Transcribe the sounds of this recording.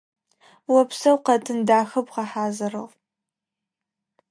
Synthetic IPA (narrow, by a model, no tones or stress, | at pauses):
wɔpsɐwqɐtʰɨndaːxɐbqɐħaːzɐɾɐʁ